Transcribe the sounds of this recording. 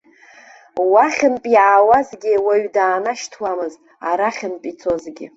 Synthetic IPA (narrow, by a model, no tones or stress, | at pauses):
waχʲɪmpʼiʕawazɡʲɪwaɥdaːnaʃtʰwamɨztʼ | aɾaχʲɪmpʼit͡sʰo̞zɡʲɪ̰